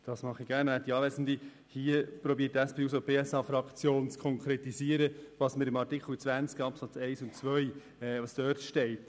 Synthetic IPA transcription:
d̥ɑsmɑχiɡ̥æːɾnæt̚diɑːʋɛsn̩d̪i | hiəpɾɔbiətːæspʰeːuːs̬ob̥ʰeːɛsɑːfɾɑkt͡sjoːnt͡skʰɔŋkʰɾɛt̪isiəɾəvɑsməɾɪmɑɾtɪkʰχl̩t͡sʋænt͡skɑpsɑt͡sɛɪsʊntt͡svœɥ | ɛvɑstœːɾtʃtɛɪt

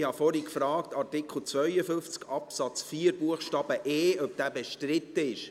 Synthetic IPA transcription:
hɑfɔɾikfɾɑːktɑrtɪkχl̩ˠt͡sʋœʏəfʏnft͡skɑpsɑt͡sfiːəɾbuəχʃtɑːb̥əʔeːœp̚d̥æːbeʃtɾɪt̪ːəɪʃ

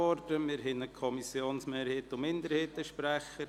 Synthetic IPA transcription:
ɔrdəmɪɾɦɪnəkʰɔmisjoːnsmeːɾheːtʊmɪndəɾheːtəʃpɾæχə

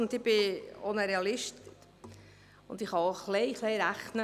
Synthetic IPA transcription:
ʊnd̪ɪb̥ɪo̰nəɾeɑlɪʃt | ʊnd̥ɪχhɑχleɪχleɪɾæχnə

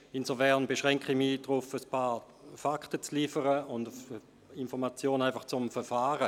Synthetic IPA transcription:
inzofɛʁnbeʃʁɛŋkχimiːdʁʊfəspʰaː | faktət͡sliːfəʁəʊndf | infɔʁmat͡sjoːnaɪnfaχt͡sʊmfɛɐfaːʁə

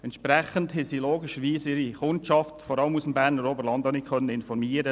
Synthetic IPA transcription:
ɛntʃpɾɛχənthɛsiloːɡɪʃəɾʋiːsɪɾiχʊnt͡ʃɑftfɔɾɑləmusəmbæːɾnəɾoːbəɾlɑnd̪ɑnikʰχœnːəɪnfɔɾmiːəɾə

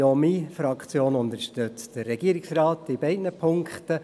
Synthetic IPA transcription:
omifɾɑkʰt͡sjoːnʊnd̪əɾʃtøt͡sd̥ərːɛɡ̥iəɾiksrɑːtib̥ɛɪdnəpʰʊŋkχtə

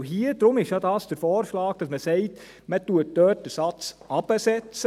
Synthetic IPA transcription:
ɦiəd̥ɾʊmɪʃjɑdɑːsd̥əɾfɔːɾʃlɑːɡ̥̚d̥ɑsməsɛɪt | mətuət̚dœːt̚d̥əsɑt͡sɑb̥əsɛt͡s

